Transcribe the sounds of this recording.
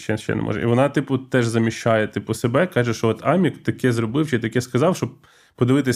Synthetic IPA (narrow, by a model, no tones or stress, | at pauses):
ʃt͡ʃɛʃt͡ʃːɛ̰nɛ̰mɔ̰ʒɛ̰ḭʋɔnɑt̪ɪpʊt̪ɛʒzɐmʲiʃt͡ʃɑjɛt̪ɪpʊsebɛkɑʒɛʃt͡ʃɔɔt̪ɑmʲikt̪ɐkɛzrɔbɪwt͡ʃɛt̪ɐkɛskɐzɑwʃt͡ʃɔb̚ | pɔd̪ɪʋɪt̪ɪsʲ